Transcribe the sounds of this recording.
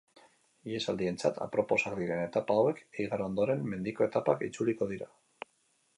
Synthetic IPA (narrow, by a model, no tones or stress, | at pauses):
ie̞sald̪ie̞nt͡sat̪a̰pɾo̞po̞sakd̪iɾe̞ne̞t̪apaːwe̞keiɣaɾao̞nd̪oɾe̞mme̞nd̪iko̞e̞t̪apakit͡suliko̞ðiɾa̰